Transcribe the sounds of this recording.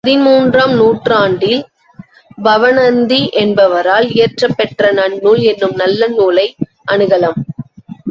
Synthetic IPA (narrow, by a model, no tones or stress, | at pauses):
pɐðɪmuːndraːmnuːʈraːɳɖɪl | bɐʋɐnɐnd̪iʔɛnbɐʋɐɾaːlɪːrʈrɐpːɛʈrɐnɐɳːuːlɛnːɯmnɐlːɐnuːlɐɪ | ʔɐɳɯɣɐlɐm